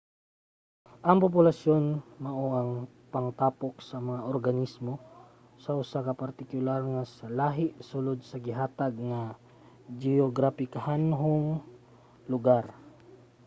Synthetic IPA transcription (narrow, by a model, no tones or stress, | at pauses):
ʔɐŋpop̬ʊlasjo̞nmɐʔoʔɐŋ | pɐŋt̪aːpok̚sɐmɐŋaʔoɾɡɐnismo | sɐʔʊsakɐpɐɾt̪ɪkʊlaɾŋasɐlaːɦɪʔsulod̪̚sɐɡɪɦaːt̪aɡ̚ŋa | d͡ʒɪoɡɾafɪkahanɦoŋ | lʊɡaɾ